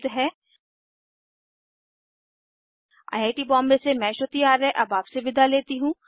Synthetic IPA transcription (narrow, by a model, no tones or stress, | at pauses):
d̪ɦɛː | a̰ːjaːʈibɔ̃ːmbesemɛ̃ːʃot̪iaːɾɦɛ̃ʔɐbaːpseʋɪd̪ʱaleːt̪iɦũː